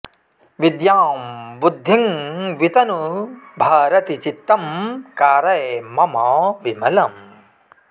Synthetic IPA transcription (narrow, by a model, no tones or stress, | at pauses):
ʋid̪jaːmbud̪ʱːiŋʋit̪ɐnubʱaːɾɐt̪it͡ʃit̪ːɐmkaːɾɐjemɐmɐːʋimɐlɐm